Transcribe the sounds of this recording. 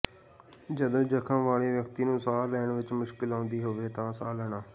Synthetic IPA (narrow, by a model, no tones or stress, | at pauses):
d͡ʒəd̪õːd͡ʒəkʰə̃ːʋaːleːʋjəkt̪iːnũːsaːlɛːɳʋɪt͡ʃmʊʃkɪlãːnd̪iːɦoːʋeːt̪ãːsaːləɳaː